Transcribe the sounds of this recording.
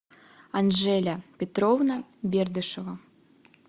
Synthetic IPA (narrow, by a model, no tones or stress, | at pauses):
ɐnʐɛlʲɐpʲɛt̪ɾɔwnɐbʲerd̪ɨʂɐvɐ